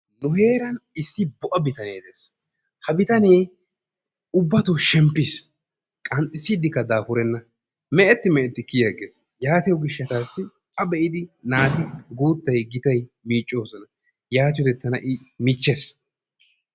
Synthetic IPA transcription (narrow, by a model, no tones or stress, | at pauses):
nʊhe̞ːɾɐnɪsːɪbɔʔɐbɪt̪ɐneːd̪eːs | hɐbɪt̪ɐneː | ʊbːɐt̪uʃɛmpːɪs | kʼɐnt̪ʼɪsːɪd̪ɪkːɐd̪aːfʊɾɛnːɐ | mɛʔɛt̪ːɪmɛʔɛt̪ːɪkɪjɐɡeːs | jaːt̪ɪjɔɡɪʃːɐt̪aːsːɪ | ɐbɛʔɪd̪ɪnaːt̪ɪɡuːt̪ːɐjɡɪt̪ɐjmiːt͡ʃʼːo̞ːsɔnɐ | jaːt̪ɪjɔd̪ɛt̪ːɐnɐ̰ʔɪmɪt͡ʃːes